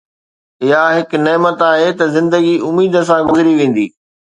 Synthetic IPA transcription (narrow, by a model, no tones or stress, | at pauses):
ɪɦaɦɪkneːmət̪aːɦet̪ɐzɪ̃nd̪əɡiʊmiːd̪ə̆s̬ãɡʊzɪɾiʋẽːn̆d̪ḭː